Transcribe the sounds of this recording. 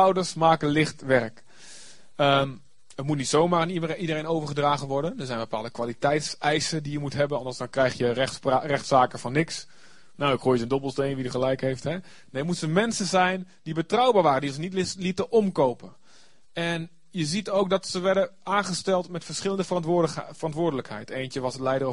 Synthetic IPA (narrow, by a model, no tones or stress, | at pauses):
ɔwdərsmaːkəlɪxtʋɛrk | ə | ətmut̚nitsoːmaːaniidərenowvərχədraːɣənʋɔɹrdəndəɹsɛjnbəpaːlˠdəkʋalitɛjtsɛjsədijəmutɦɛbənɔndɑnsdɔnkrɛjxjərɛxtsaːkəfɔnːɪks | nawɪkhuːjəzəndobəlˠstejnʋidəχəlɛjkhejfthɛ | neːmutsəmɛnsənzɛjn | dibətrawbaːɹʋaːrəndinzənitlitəʔɔmkowpə | ɛn | jəzitowk̚dɔtsəʋɛɹdəaːnχəstɛlˠtmɛtfəɹsχɪləndəfəɑfərɑntʋʊːrdələkhɛ̰jtʰejntjəʋɔsəlɛjdər